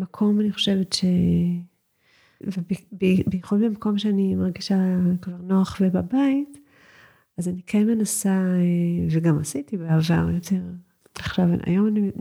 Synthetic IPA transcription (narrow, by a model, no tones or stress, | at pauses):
makʰo̞maniχo̞̥ʃe̞vetʃe | vebbebejeχudbemako̞mʃeanimaʁɡiʃakvaʁnoaχvebabait | azanikʰenmenasaeveɡamasitibeava̰ʁjo̞tʰe̞ʁ | aχʃav̰a̰jo̞mani